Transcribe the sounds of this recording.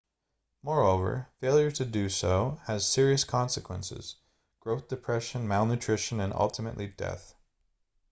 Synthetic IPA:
mɔɹoʊvə̰˞feɪlˠjə˞ɾɨdɨsoʊɨz̥sɪɹiɨskʰɑ̃nsɨkʰwɛ̃nsɪ̰z̥ | ɡ̥ɹoʊθd̥ɨpʰɹ̥ɛʃɨ̃nmæɪlˠnɨtʰɹ̥ɪʃɨ̃nɨ̃nʔʌ̰lˠtʰəmɨ̰ʔlidɛ̰θ

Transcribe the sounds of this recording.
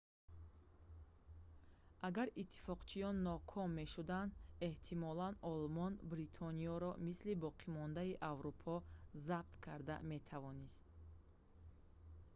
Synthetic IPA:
ʔaɡaɾit̪ʰːi̥fɔqt͡ʃʰijɔnːɔkʰɔmːe̞ʃud̪and̪e̞ht̪ʰimɔlanɔlmɔnbɾit̪ʰɔniɔɾɔmislibɔqʰimɔnd̪aiʔavɾupʰɔzab̚t̪kʰaɾd̪a̰me̞t̪ʰavɔnist̪̚

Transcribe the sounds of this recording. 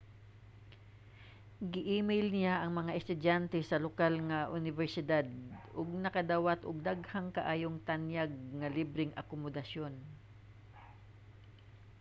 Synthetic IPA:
ɡɪʔiːmɛjlnɪjaʔɐŋmɐŋaʔɛst̪ʊd̪jant̪ɛsɐlokalŋɐʔʊnɪvɛɹsɪd̪ad̪̚ʔʊɡ̚nɐkɐd̪awat̪ʔʊɡ̚d̪aɡhaŋkɐʔaːjoŋt̪ɐnjaɡ̚ŋɐlibɾɪŋʔɐ̰komod̪ɐʃo̞n

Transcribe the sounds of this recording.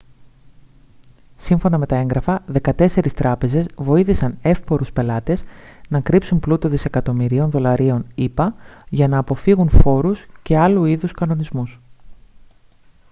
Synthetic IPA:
siɱfo̞nɐme̞t̪ɐe̞ŋɡɾɐfɐðe̞kɐt̪e̞se̞ɾist̪ɾɐpe̞ze̞zvo̞iθisɐne̞fpo̞ɾuspe̞lɐt̪e̞znɐkɾipsunplut̪o̞ðise̞kɐt̪o̞miɾio̞nðo̞lɐɾio̞nipɐʝɐnɐːpo̞fiɣunfo̞ɾusce̞ɐluiðuskɐno̞nizmus

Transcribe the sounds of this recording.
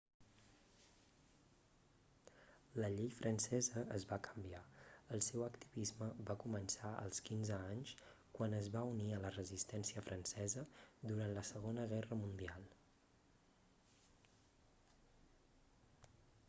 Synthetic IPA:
ləʎejfɾʔənsɛzəəzβakə̥mbiaəlˠsɛwəkt̪iβizməβakumənsaʔə̰lˠskinzəaɲskwanəzβauniələrəzist̪ɛnsiəfɾʔənsɛzəd̪uɾant̪ləsəɣ̞onəɣɛrəmund̪ialˠ

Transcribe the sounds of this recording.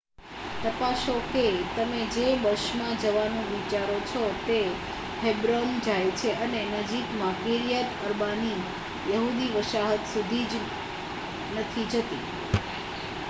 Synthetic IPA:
t̪əpaʃoket̪əmed͡ʒebəʃmãd͡ʒəʋanũʋit͡ʃaɾot͡ʃʰɔt̪e | hebɾomd͡ʒajt͡ʃʰeʔənenəd͡ʒikmãkiɾijat̪əɾbani | jəɦud̪iʋəʃaɦət̪sud̪ʱid͡ʒ | nət̪ʰid͡ʒət̪i

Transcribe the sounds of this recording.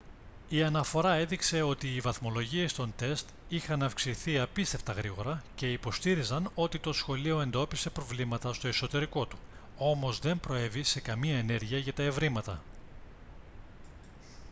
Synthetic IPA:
iɐnɐfo̞ɾɐe̞ðikse̞o̞t̪iːvɐθmo̞lo̞ʝie̞st̪o̞nt̪e̞st̪ | ixɐnɐfksiθiɐpist̪e̞ft̪ɐɣɾiɣo̞ɾɐce̞ipo̞st̪iɾizɐno̞t̪it̪o̞sxo̞lio̞e̞nd̪o̞pise̞pɾo̞vlimɐt̪ɐst̪o̞eso̞t̪e̞ɾiko̞t̪u̥o̞mo̞zðe̞mpɾo̞e̞vise̞kɐmiɐe̞ne̞ɾʝiɐʝɐt̪ɐe̞vɾimɐt̪ɐ

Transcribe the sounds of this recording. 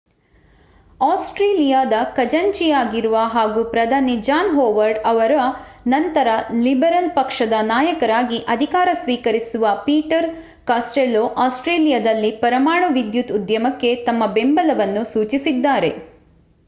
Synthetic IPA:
aːsʈɾeːlijaːd̪ɐkɐd͡ʒɐɲt͡ʃijaːɡiɾuʋɐɦaːɡuːpɾɐd̪ʱaːnid͡ʒaːnɦoːʋɐɾɖɐʋɐɾɐnɐnt̪ɐɾɐlibɐɾɐlpɐkʂɐd̪ɐnaːjɐkɐɾaːɡiʔɐd̪ʱikaːɾɐsʋiːkɐɾisuʋɐpiːʈɐɾ | kaːsʈeːloʔaːsʈɾeːlijad̪ɐlːipɐɾɐmaːɳɐʋid̪jut̪ud̪jɐmɐkːe̞t̪ɐmːɐbembɐlɐʋɐnːusuːt͡ʃisid̪ːaːɾe̞

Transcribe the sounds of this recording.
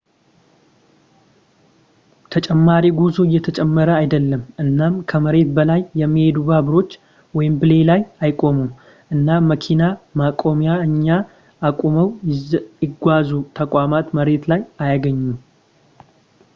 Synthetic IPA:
t̪ʰət͡ʃʼɛmːaɾiɡuzuɪjːɛt̪ʰət͡ʃʼɛmːəɾəajd̪əlːəmʔɨnːamkʰəməɾe̞t̪̚bəlajːɛmːihe̞d̪ubaβɾo̞t͡ʃː | wɔjɪmbɨle̞lajajkʼo̞mum | ʔɨnːaməkʰinamakʼo̞mijaɨɲːaː | kʼoməw | ɪɡʷazut̪ʰəkʼwamat̪məɾe̞t̪lajajaɡəɲːum

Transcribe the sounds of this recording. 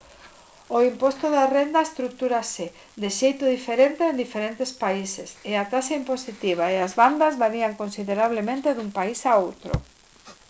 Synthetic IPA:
oimpɔst̪oðarend̪aest̪ɾukt̪uɾase | d̪eʃejt̪ʊðifeɾent̪eend̪ifeɾent̪espaiseseat̪asaimposit̪iβ̞aeazβand̪azβaɾiaŋkonsiðeɾaβ̞lemẽnt̪eðumpaisaowt̪ɾʊ̰

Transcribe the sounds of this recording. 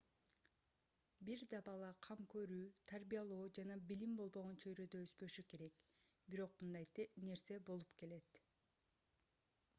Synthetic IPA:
biɾd̪ɑbɑlˠɑqʰɑmkø̞ɾyːt̪ʰaɾbijɑlˠoːd͡ʒɑnɑbilimbo̞lˠbo̞ʁo̞nt͡ʃʰø̞jɾød̪øøspø̞ʃyke̞ɾe̞kbiɾo̞qmɯnd̪ɑjt̪ne̞ɾse̞bo̞lˠupke̞le̞t̪

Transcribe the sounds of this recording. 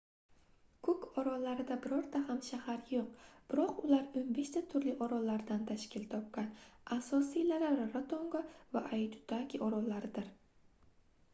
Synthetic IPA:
kʰɵkɒɾɒlaɾɪd̪abɪɾɒɾd̪ahamʃahaɾjoq̚b̥ɪɾɒqʊlaɾɵmbeʃt͡ʃ̪at̪ʰʊɾlɪʔɒɾɒlaɾd̪ant̪ʰaʃkʲɪlt̪ʰɒp̚kʲanasɒsilalaɾːat̪ʰoŋɡɒva̰ʔajt̪ʰʊ̥t̪ʰakʲʰiɒɾɒlaɾɪd̪ɪɾ

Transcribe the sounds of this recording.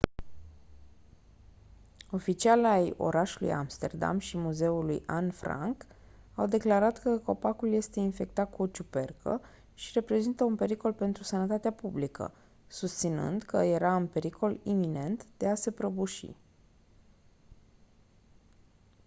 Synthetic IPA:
o̞fit͡ʃialajo̞̰ɾaʃulṵja̰mst̪e̞̰rd̪a̰mʃimuze̞ulṵja̰nfɾa̰ŋk | awd̪e̞klaɾat̪kəko̞pakulje̞st̪e̞infe̞k̚t̪at̪̚kuot͡ʃupe̞rkʰə̰ | ʃiɾe̞pɾe̞zint̪əunpe̞ɾiko̞lpe̞nt̪ɾusənət̪at̪eapublikʰə̰ | sust̪sinɨ̰nd̪kʰəje̞ɾaunpe̞ɾikʰo̞limine̞nt̪d̪̥e̞ase̞pɾəbuʃḭ

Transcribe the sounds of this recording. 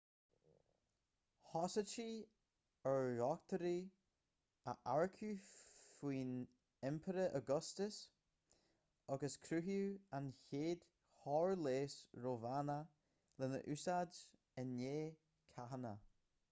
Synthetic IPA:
hɔsət͡ʃi | əɹɔkt̪ʰəɾi | əʔaɹkʰufiːn | ɛmpʰəɾəʔəɡɔstəs | ɔɡəskʰɾuɦjuançeːd̪̥ | hɔːɹleːsɹovanə | lɪnə̰ʔʉsad͡ʒ | ənːeː | kʰaɦənə

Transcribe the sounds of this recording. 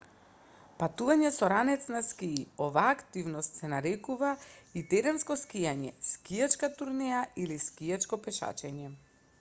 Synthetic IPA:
pat̪uvaɲɛsɔɾanɛt̪snaskiːɔvaːkt̪ivnɔst̪sɛnaɾɛkuvait̪ɛɾɛnskɔskijaɲɛskijat͡ʃkat̪uɾnɛjailiskijat͡ʃkɔpɛʃa̰t͡ʃɛɲɛ

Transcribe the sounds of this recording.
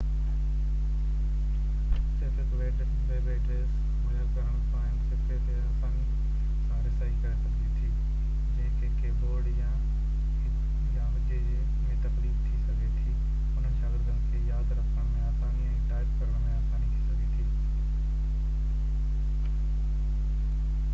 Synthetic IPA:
sefɪkʋeːɖ | ʋeːʋeːɖɾeːs | mɐjəɾkɐɾəɽ̃paːɪnsekʰeːẽːkãːni | sãːɾɪsaːikɐɾesɐɡnit̪ʰiː | d͡ʑẽːkʰekʰeboːɽjãː | jãːʋɪt͡ʃed͡ʑeː | mẽt̪ɐxliːt̪ʰisɐɡʱet̪ʰiː | ʊn̤ənɪ̆ʃaːɡɪɾd̪ənɪ̆kʰeːjaːd̪ɾɐkʰəɽ̃mẽɐsãe | ʈaːɪbkɐɾəɽ̃mẽasaːnit̪ʰisɐɡʱit̪ʰiː

